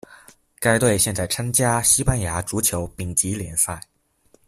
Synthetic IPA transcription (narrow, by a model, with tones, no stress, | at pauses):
ka˥ɪt̪we˥˧ɪɕjɛ˥˧nt͡sa˥˩ɪʈ͡ʂʰa˥nt͡ɕja˥ɕi˥pa˥nja˧˥ʈ͡ʂu˧˥t͡ɕʰjo˧˥ʊpi˨˩ŋt͡ɕi˧˥ljɛ˧˥nsa˥˩ɪ